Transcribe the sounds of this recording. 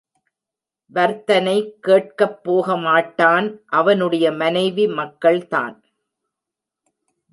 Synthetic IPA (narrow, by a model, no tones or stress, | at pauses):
ʋɐɾt̪ɐnɐɪkːeːʈ̚kɐpːoːɣɐmaːʈːaːnʔɐʋɐnɯɽɐjɐmɐnɐɪʋimɐkːɐɭt̪a̰ːn